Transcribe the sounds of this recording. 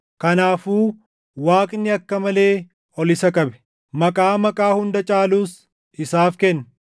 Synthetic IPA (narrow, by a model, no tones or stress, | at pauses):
kɐnaːfuː | waːkʼnɪɐkːɐmɐle̞ː | ɔlɪsɐkʼɐbɛ̥ | mɐkʼaːmɐkʼaːhʊnd̪ɐt͡ʃʼaːluːs | ʔɪsaːfkɛnː